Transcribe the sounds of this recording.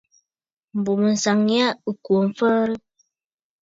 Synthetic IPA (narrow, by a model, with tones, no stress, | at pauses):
m̩˨bu˨mə˨n̩˨sa˨ŋja˦ə˨kwo˨m̩˨fə˦ɾə˦